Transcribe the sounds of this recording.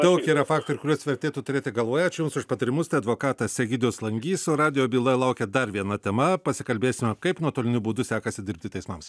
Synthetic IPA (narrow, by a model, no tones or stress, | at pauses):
t̪oʊkʲiːɾɐfɑːkt̪oɪɾɪkʊɾʲuɔsʋʲɛɾʲt̪ʲeːt̪uːt̪ʊɾʲeːt̪ʲɪɡɐlˠʋoːjɛt͡ʃʲɪjʊmsʊʃpɐt̪ɐɾʲɪmʊst̪ɐɪɐd̪ʋoːkɑːt̪ɐsʲɛɡʲɪd̪ʲɪʊslˠɐŋʲɡʲiːsʲoɾɑːd̪ʲɪjoːbʲiːlˠɐjlˠɐʊkʲɛd̪ɐɾʋʲiɛnɐt̪ʲɛmɐpɐsʲɪkɐlʲbʲeːsʲɪmʲɛkɐɪpnuɔt̪oːlʲɪnʲʊbuːd̪ʊsʲæːkɐsʲɪd̪ʲɪɾʲp̚ʲt̪ʲɪt̪ʲɛɪsmɐms